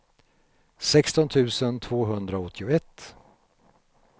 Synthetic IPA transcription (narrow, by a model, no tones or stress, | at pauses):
sɛkst̪ɔnt̪ʰʉ̟ːsənt̪ʰv̥oːɦɵnd̪ɾaɔt̪ʰːɪʊɛt̪ː